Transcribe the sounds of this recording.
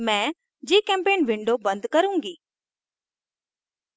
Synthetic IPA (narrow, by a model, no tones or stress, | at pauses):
mɛ̃ː | d͡ʑiːkɛ̃ːmpeːnʋɪ̃ɳɖobɐ̃nd̪kɐɾũːŋɡiː